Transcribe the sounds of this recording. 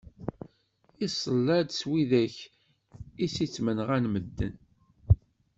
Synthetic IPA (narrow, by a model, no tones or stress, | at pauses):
isˤəlːæd̪swiðæç | isit͡sːmənʁænməd̪ːə̰n